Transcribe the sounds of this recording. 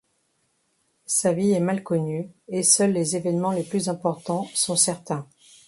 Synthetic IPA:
saviɛmalkɔnyesœlːezevɛnmɑ̃leplyzɛ̃pɔʁt̪ɑ̃sɔ̃sɛʁt̪ɛ̃

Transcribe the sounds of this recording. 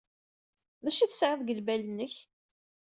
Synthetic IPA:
ðæʃiθə̥sʕəðɡəlbælənːəç

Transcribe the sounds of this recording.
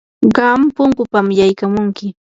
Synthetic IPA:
ɢɑmpʊŋkʊpamjajkamʊŋkɪ

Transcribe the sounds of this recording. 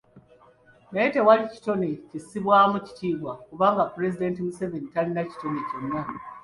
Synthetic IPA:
me̞ːte̞walici̥to̞necisiβwaːmuci̥tiːɡwakuβaːŋɡapɾe̞zide̞ntimuse̞venitalinaci̥to̞neconːa

